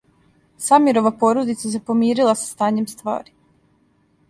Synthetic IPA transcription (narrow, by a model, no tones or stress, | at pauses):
samiɾo̞ʋapo̞ɾod̪it̪sas̬epo̞miːɾilˠasḁst̪aːɲe̞mst̪ʋa̰ːɾi